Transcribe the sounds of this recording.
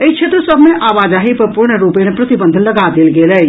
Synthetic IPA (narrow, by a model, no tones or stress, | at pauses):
əit͡ʃʰet̪ɾəsəbʱmeʔʔaʋad͡ʒaɦipəɾpuɾɳəɾupemepɾət̪ibənd̪ʱənləɡad̪elɡelə